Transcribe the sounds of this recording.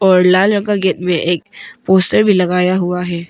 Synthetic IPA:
ɔːɾlaːlɾɐ̃kaɡeːʈmẽʔeːk̚poːsʈəɾbʱilɐɡaːjaɦuaɦɛː

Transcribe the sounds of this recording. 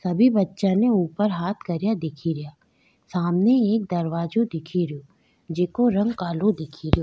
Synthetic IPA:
sɐbʱibɐtːʃaneuːpəɾɦaːt̪ʰkɐɾijad̪ɪkʰiɾɪjaː | saːmneeːk̚d̪ɐɾʋaːd͡ʒod̪ɪkʰiɾjoː | d͡ʒeːkoɾɐ̃ŋɡkaːlod̪ɪkʰiɾijoː

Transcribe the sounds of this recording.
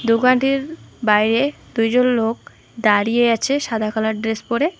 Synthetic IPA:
d̪uɡaɳʈiɾbajɾe | d̪ujd͡ʑonlok̚ | d̪aɾijeat͡ɕʰeʃad̪ʱakalaɾɖɾespoɾe

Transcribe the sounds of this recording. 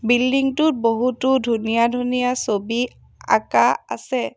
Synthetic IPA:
bildiŋtʊt̚boɦutʊdʱunijadʱunijasobi | a̰kaa̰sɛ

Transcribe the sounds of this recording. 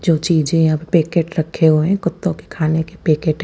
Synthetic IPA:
d͡ʒoːt͡ʃiːd͡ʒẽjabpeːkeːʈɾɐkʰːeɦoɦɛ̃kʊt̪ːõke̥kʰaːnekepeːkeːʈɦ

